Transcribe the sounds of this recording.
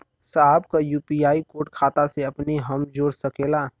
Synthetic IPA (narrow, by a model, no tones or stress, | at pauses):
sabkajuːpiaːikoːʈkʰaːt̪aseɐpniɦɐmd͡ʒoːɾsɐkeːlaː